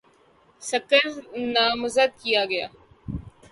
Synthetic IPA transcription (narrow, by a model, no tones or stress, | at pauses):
səkəɾnaːmʊzəd̪̚kijaːɡɐja̰ː